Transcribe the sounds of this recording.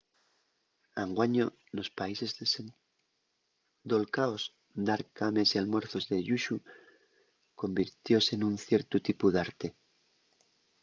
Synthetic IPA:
aŋɡwaɲo | no̞spaise̞z | d̪o̞lkaos | d̪aɾkame̞sialmwe̞ɾθo̞zðe̞ʎuʃu | ko̞mbiɾt̪jo̞senunθje̞ɾt̪ut̪ipuðaɾt̪e̞

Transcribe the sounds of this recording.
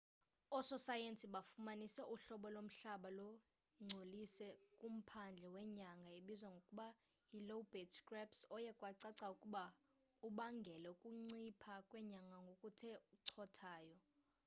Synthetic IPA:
ɔsɔsajensʼiɓafumanisɛʔuɬɔɓɔlom̩ɬaɓalɔ | ŋ͡ǀʱolisɛkʼum̩pʰand͡ɮʱɛwɛɲaŋɡʱaeɓizwaŋɡʱokʼuɓa | ilobetskʼrɛpsɔjɛkʼwaǀaǀaukʼuɓa | uɓaŋɡʱɛlɛukʼuŋ͡ǀipʰakʼwɛɲaŋɡʱaŋɡʱokʼutʰɛuǀʰɔtʰaːjɔ

